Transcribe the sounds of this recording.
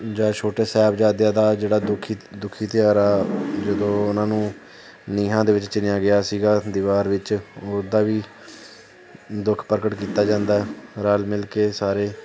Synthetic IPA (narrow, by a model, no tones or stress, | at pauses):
d͡ʒaːt͡ʃʰoːʈeːsɛːbd͡ʒaːd̪jãːd̪aːd͡ʒeːɽaːd̪ʊkʰid̪ʊkʰːiːt̪ɪjaːɾaːd͡ʒəd̪õːʊnãːnũː | niːɦãːd̪eːʋɪt͡ʃt͡ʃɪnjaːɡɪjaːsiːɡaːd̪ɪʋaːɾʋɪt͡ʃoːɾd̪aːʋiː | d̪ʊkʰpəɾkəʈkiːt̪aːd͡ʒãːnd̪aːɛɾaːlmɪlkeːsaːɾeː